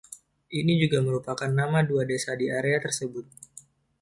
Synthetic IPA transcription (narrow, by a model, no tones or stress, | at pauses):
ʔinid͡ʒuɡaməɾupakanːamaduadesadiʔaɾeat̪ərsəbʊt̪̚